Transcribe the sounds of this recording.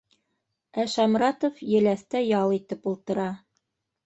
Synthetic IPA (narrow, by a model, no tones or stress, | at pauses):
æʃɑmɾɑt̪ofjɘ̆læθt̪æjɑlˠit̪ɘpulˠt̪ɤ̆ɾɑ